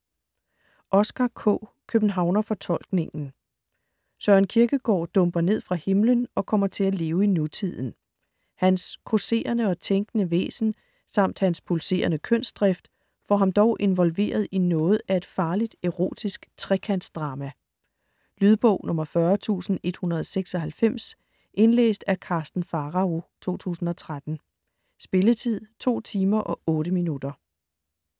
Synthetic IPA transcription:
ʔɒ̽sɡ̥ɑ̈kʰɔ̰ːkʰøb̥n̩ɦɑ̈ʊnɐfɒ̽t͡sʰɒ̽l̰ɡ̥ne̝ŋn̩ | sɒɐenkʰiɐɡ̥əɡ̥ɒ̰ːd̥ɔ̽mb̥ɐne̝ð̞̰ˠfʁɑ̈he̝mlənɒ̽kʰɒ̽m̰ɐt͡sʰe̝læle̝ːʊinut͡sʰið̰ˠn̩ | hænskʰo̝se̝̰ːɐnəɒ̽t͡sʰeŋɡ̥ənəʋḛːsn̩ | sɑ̈m̰d̥hænspʰulse̝̰ːɐnəkʰœn̰sd̥ʁɛfd̥ | fɒɦɑ̈md̥ɒʊʔe̝nʋɒ̽lʋe̝̰ːɐð̞̩ˠinɔ̽ːð̩ˠæe̝d̥fɑ̈ːlid̥eʁo̝̰ːd̥isɡ̥t͡sʰʁɛkʰæn̰̥sd̥ʁɑ̈ːmæ | lyðˠb̥ɔ̰̽ʊ̰nʔɔ̽mɐfɶɐt͡sʰṵːsn̩e̝d̥hunɐð̞̩ˠɒseɡ̥sɒ̽ɦælfem̰s | ʔe̝nlḛːsd̥ækʰɑ̈ːsd̥n̩fɑ̈ːʁɑ̈o̝t͡sʰo̝̰ːt͡sʰṵːsn̩ɒ̽t͡sʰʁad̥n̩ | sb̥e̝lət͡sʰið̰ˠt͡sʰo̝̰ːt͡sʰiːmɐʔɒ̽ɔ̽ːɾəminud̥ɐ

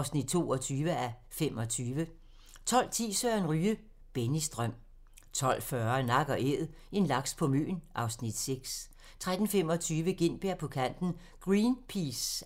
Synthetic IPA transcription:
ʊsnid̥̚t͡sʰo̝ːɒ̽t͡sʰyːʋəæ | femɒ̽t͡sʰyːʋə | t͡sʰɒ̽l̰t͡sʰḭːsøɐenʁyːə | b̥enisd̥ʁœm̰ | t͡sʰɒ̽l̰fɶɐnɑ̈ɡ̥ɒ̽ʔeðˠ | e̝nlɑ̈ɡ̥spʰɒ̽mø̰ːnʔɑ̈ʊsnid̥seɡ̥s | t͡sʰʁad̥n̩fem̰ɒ̽t͡sʰyːʋəɡ̥e̝n̰b̥eɐ̰pʰɒ̽kʰæn̰d̥n̩ | ɡ̥ʁiːnpʰis

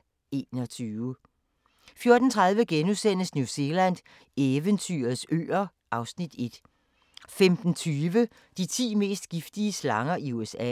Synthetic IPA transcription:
e̝ːnɒ̽t͡sʰyːʊə | fjo̝ɐd̥n̩t͡sʰʁað̞ˠʋəɡ̥enusen̰əsnjuse̝læn̰d̥ | eʋənt͡sʰy̰ːɐð̩ˠsø̰ːɐ | ʔɑ̈ʊsnid̥e̝d̥ | femd̥n̩t͡sʰyːʋə | d̥it͡sʰḭːme̝̰ːsd̥ɡ̥ifd̥iəslɑ̈ŋɐiuesɛ̰

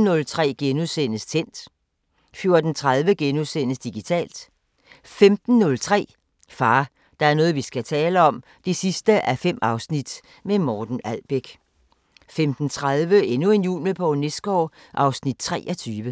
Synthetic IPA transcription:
n̩nɔ̽lt͡sʰʁɛ̰ːɡ̥enusen̰əst͡sʰen̰d̥ | fjo̝ɐd̥n̩t͡sʰʁað̞ˠʋəɡ̥enusen̰əsd̥iɡ̥it͡sʰɛ̰ːld̥ | femd̥n̩ːɔ̽lt͡sʰʁɛ̰ː | fɑ̈ː | d̥ɑ̈æɐnɔ̽ːð̞̩ˠʋisɡ̥æt͡sʰɛːləɒ̽m | d̥e̝sisd̥əʔæɐfem̰ɑ̈ʊsnid̥ | memɒːd̥n̩ælb̥eɡ̥ | femd̥n̩t͡sʰʁaðˠʋəe̝nue̝njṵːlməpʰɒ̽nesɡ̥ɒːʔɑ̈ʊsnid̥̚t͡sʰʁɛ̰ːʔɒt͡sʰyːʋə

